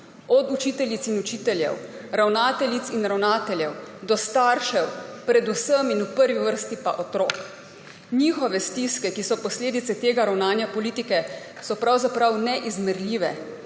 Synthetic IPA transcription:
ɔd̪ut͡ʃiːt̪ɛljit̪sinut͡ʃiːt̪ɛljɛ̰w | ɾawnaːt̪ɛlʲit̪sinɾawnaːt̪ɛljɛwd̪ɔst̪aːɾʃɛwpɾɛd̪usəminupəɾʋiʋəɾst̪ipa̰ʔɔt̪ɾoːk | niːxɔʋɛst̪iskɛkisɔpɔsleːd̪it̪sɛt̪eːɡaɾawnaːnjɛpɔliːt̪ikɛ | sɔpɾawzapɾawnɛʔizmɛɾlʲiːʋɛ

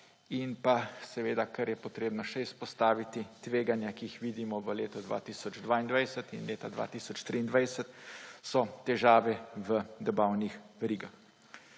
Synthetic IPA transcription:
inpasɛʋeːd̪akɐɾjɛpɔt̪ɾeːbnɔʃɛispɔst̪aːʋit̪it̪ʋeːɡanjakiixʋiːd̪imɔʋəleːt̪ɔd̪ʋa̰ːt̪iːsɔd͡ʒd̪ʋaind̪ʋajsət̪inleːt̪ad̪ʋa̰ːt̪iːsɔt͡ʃt̪ɾiːnd̪ʋajsət̪sɔt̪ɛʒaːʋɛʋəd̪ɛbawnixʋɛɾiːɡax

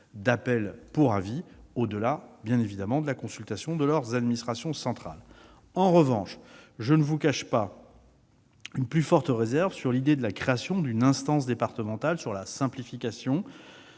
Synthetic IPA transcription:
d̪apɛlpuʁaviod̪əlabjɛ̃nevid̪amɑ̃d̪əlakɔ̃sylt̪asjɔ̃d̪əlœʁzad̪minist̪χasjɔ̃sɑ̃t̪χa̰l | ɑ̃ʁəvɑ̃ʃʒənəvukaʃpa | ynplyfɔʁt̪əʁezɛʁvəsyʁlid̪ed̪əlakχeasjɔ̃d̪ynɛ̃st̪ɑ̃s̬d̪epaʁt̪əmɑ̃t̪alsyʁlasɛ̃plifikʲasjɔ̃

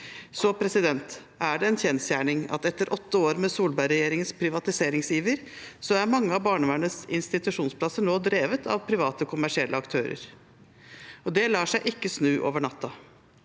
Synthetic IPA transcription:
sɔpʰɾɛsɪd̪ɛnt̪ | æɖɛɛnçɛnsjæːɳɪŋɑ̰t̪ɛt̪ːəɾʔɔt̪ːəoːɾmɛsuːlbæɪɾɛjeːɾɪŋənspʰɾɪʋɑt̪ɪseːɾɪŋsjiːʋəɾsɔæɾmɑŋːəɑʋbɑːɳəʋæɳəsɪnst̪ɪt̪ʉʂuːnspʰlɑsəɳoːd̪ɾeːʋət̪ʰɑ̰ʋpʰɾɪʋɑːt̪əkʰʊmæʂɪɛlːʔəɑkt̪ʰøːɾə̰ɾ | ɔd̪ɛlɑːʂæɪʔɪkːəsnʉːʔo̰ːʋəɳɑt̪ːɑ

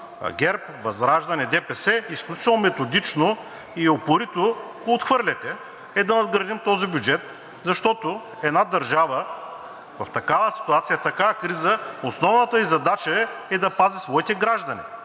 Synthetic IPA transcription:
ɡʲɛɾp | vɐzɾaʒd̪ɐnɛd̪ɛpɛsɛisklʲut͡ʃit̪ɛlˠnomɛt̪od̪it͡ʃno | iopoɾit̪oɡoːt̪xvɤɾlʲɛt̪ɛ | ɛd̪ɐnɐd̪ɡɾɐd̪imt̪ɔzibʲjud͡ʒɛt̪̚ | zɐʃt̪ɔt̪ʊ | ɛd̪nad̪ɐɾʒavə | vɐft̪ɐkavəsi̥t̪uat̪sijɐt̪ɐkavɐkɾizəosnɔvnɐt̪əizɐd̪at͡ʃɐɛɛd̪ɐpazisvɔit̪ɛɡɾaʒd̪ɐnḭ

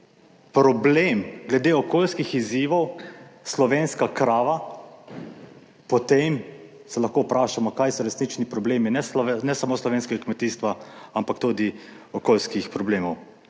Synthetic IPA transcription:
pɾɔbleːmɡlɛd̪eːɔkoːlskixiziːʋɔwslɔʋeːnskakɾaːʋa | pɔt̪em | sɛlaxkoːupɾaːʃamɔkajsɔɾɛsnit͡ʃnipɾɔbleːminɛnɛsamoːslɔʋeːnskɛɡakmɛt̪iːst̪ʋaampakt̪ud̪i | ɔkoːlskixpɾɔbleːmɔw

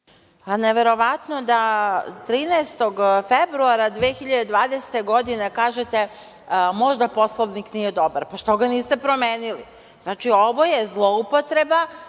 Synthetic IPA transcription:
aneʋe̞ɾo̞ʋat̪no̞d̪at̪ɾiːnɛest̪o̞ɡfebɾuaɾad̪ʋeexiʎad̪ed̪ʋaːd̪ese̥t̪e̞ɡo̞d̪inekaːʒet̪e̞ | mo̞ʒd̪apo̞slˠoʋnikniːje̞d̪o̞baɾpaʃt̪oɡaniːst̪e̞pɾo̞meːnili | znaːt͡ʃio̞ʋo̞jezlˠoupot̪ɾe̞ba

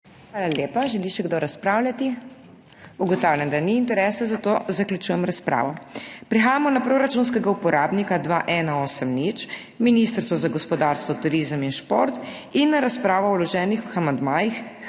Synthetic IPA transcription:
xʋaːlaljeːpaʒɛliʃɛɡd̪ɔɾaspɾaːwlʲjat̪i | uɡɔt̪awlʲjand̪aniːnt̪ɛɾɛːsazat̪oːzaklʲjut͡ʃujɛmɾaspɾʔa̰ːʋɔpɾixaːjamɔnapɾoɾat͡ʃunskɛɡaupɔɾaːbnikad̪ʋaʔɛːnaoːsəmnit͡ʃ | minist̪əɾɔzaɡɔspɔd̪aɾst̪ʋɔt̪uɾizəminʃpoɾt̪inːaɾaspɾaːʋɔwlɔʒɛːnixamand̪maːjix

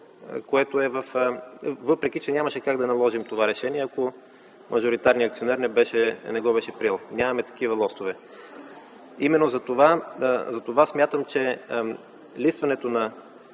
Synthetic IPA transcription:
koɛt̪oɛvəf | vɤpɾɛk̟it͡ʃɛnʲamɐʃɛkaɡd̪ɐnɐlˠɔʒimt̪ovaɾɛʃɛniɛɐko | mʔɐʒoɾit̪aɾniɐk̪̚sionɛɾnɛbɛʃɛnɛɡɔbɛʃɛpɾilˠnʲamɐmɛt̪ɐ̥k̟ivɐlˠɔst̪ovɛ | imɛnːozɐt̪ovazɐt̪ovasmʲjat̪əmt͡ʃɛ | lisvɐnɛt̪onɐ

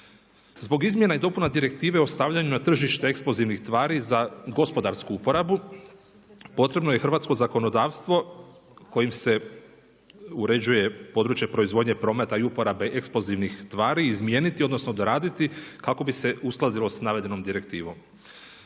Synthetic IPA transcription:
zbo̞ɡizmjenaid̪o̞punad̪iɾe̞k̚t̪iːʋeo̞st̪aʋʎaɲunat̪r̩ʒiʃt̪eeksploziʋnixst̪ʋaːɾizaɡo̞spo̞d̪aɾskuupo̞ɾabu | po̞t̪ɾe̞bnojexr̩ʋaːt̪sko̞zako̞nod̪aːʋst̪ʋo̞ | ko̞jimse̞ | uɾe̞d͡ʑuje̞po̞d̪ɾuːt͡ʃjepɾo̞izʋo̞ːd̪ɲe̞pɾo̞me̞t̪aiupo̞ɾabe̞ʔeksplo̞ziʋnixt̪ʋaːɾiːzmje̞ːnit̪io̞d̪no̞sno̞d̪oɾaːd̪it̪ikako̞bise̞usklˠad̪ilˠo̞snaʋe̞d̪e̞no̞md̪iɾe̞k̚t̪ḭːʋo̞m

